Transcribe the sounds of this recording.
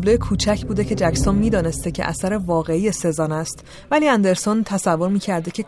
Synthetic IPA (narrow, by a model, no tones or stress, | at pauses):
blojekʰuːt͡ʃʰæcʰbuːd̪ecʰe̞d͡ʒæcsonmiːd̪ɒːne̞st̪ecʰeʔæ̰sæɾevɒːɣe̞ije̞se̞zɒːnæst̪ | væliːænd̪e̞ɾsont̪ʰæsævːo̞ɾmiːcʰæɾd̪ecʰe̞